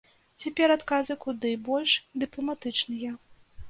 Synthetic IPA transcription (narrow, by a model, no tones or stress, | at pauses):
t͡sʲapʲɛɾat̪kazɨkud̪ɨbɔlʲʂd̪ɨplˠɐmat̪ɨt͡ʂnɨjɐ